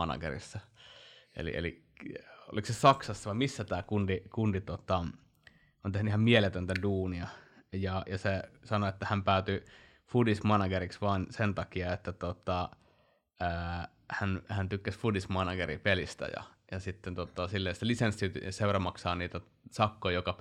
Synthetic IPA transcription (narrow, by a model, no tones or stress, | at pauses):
ɑnɑ̰ɡ̥ḛrḭsːɑ | ʔḛlḭḛli | o̰liksesɑksɑsːɑʋɑmisːæt̪æːkundikundit̪uot̪ɑ | ʔont̪ehnyihɑmmielet̪ønt̪æduːniɑjɑjɑsesɑnoet̪ːæhæmpæˑyt̪y | fudismɑnɑɡeriksʋɑːnsent̪ɑkiɑet̪ːæt̪ot̪ɑ | əː | hænhænt̪ykːæsfudismɑnɑɡeripelist̪æ̰jɑ̰jɑsit̪ːent̪uot̪ːˑɑsilːesælisensːit̪seurɑmɑksɑːniːt̪æ | sɑkːojjokɑ